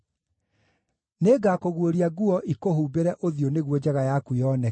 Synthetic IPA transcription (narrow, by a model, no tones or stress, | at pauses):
neːɡakoɣwoɾiaɣuɔʔikoɦuːbeɾɛʔoðjoneɣwɔd͡ʑɛɣajakujɔnɛ